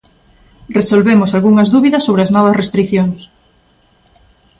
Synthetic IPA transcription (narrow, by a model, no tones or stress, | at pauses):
resolβemʊsalɣuŋɐzðuβiðɐsːoβɾeɐznɔβɐsrest̪ɾiθjoŋs